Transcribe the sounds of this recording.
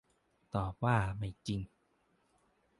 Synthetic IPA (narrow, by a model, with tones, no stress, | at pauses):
t̪ɔː˨˩p̚waː˥˩ma˥˩jt͡ɕi˧ŋ